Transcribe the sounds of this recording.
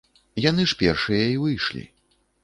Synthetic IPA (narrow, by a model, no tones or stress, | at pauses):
janɨʂpʲɛrʂɨjɐivɨjʂlʲḭ